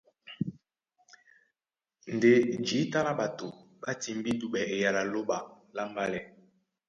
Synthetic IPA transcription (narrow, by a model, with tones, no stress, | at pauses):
n̩˨de˨n˨d͡ʒi˨˦ta˦na˦ɓa˨to˨ɓa˦ti˨m˦bi˦du˨ɓɛ˨e˨ja˨la˨lo˦ɓa˨ | la˦m˦ba˦lɛ˨